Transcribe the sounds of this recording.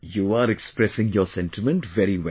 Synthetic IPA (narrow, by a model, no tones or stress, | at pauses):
juːaɾɛkspɾɛsɪ̃ŋjɔːɾsɛ̃nʈɪmə̃nʈʋɛɾiʋɛ